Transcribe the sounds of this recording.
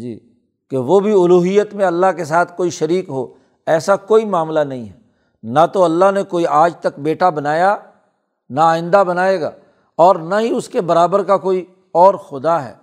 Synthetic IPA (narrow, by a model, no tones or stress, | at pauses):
d͡ʒḭː | keʋobʱiʊluːɦijət̪mẽɐlːaɦkes̬aːt̪ʰkoːiʃɐɾiːkɦoː | ɛːsakoːimaːmlanɐɦĩɦɛː | nɐt̪oɐlːaɦnekoːiʔaːd͡ʒt̪ɐk̚beːʈabɐnaːja | naaːɪ̃nd̪abɐnaːeːɡa̰ː | ɔːɾnaɦiʊskebɐɾaːbəɾkakoːi | ɔːɾxʊd̪aɦɛ̰ː